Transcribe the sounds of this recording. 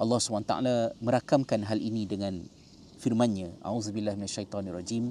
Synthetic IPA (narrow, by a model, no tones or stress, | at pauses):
ʔɑlːɑhsubant̪aʔa̰lamə̃ɾakamkanɦalinidəŋãn | firmãnɲãʔa̰uzbilːahminaʃːajt̪ˤɔnarɑd͡ʒim